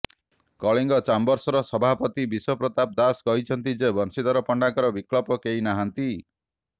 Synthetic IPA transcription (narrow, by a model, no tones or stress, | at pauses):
kɔɭiŋɡɔt͡ʃambɔɾsɔɾɔsɔbʱapɔt̪ibiswɔpɾɔt̪ap̚d̪askɔɦit͡ʃʰɔnt̪id͡ʒebɔnsit̪ɔɾɔpɔɳɖakɔɾɔbiklɔpɔkeinaɦant̪i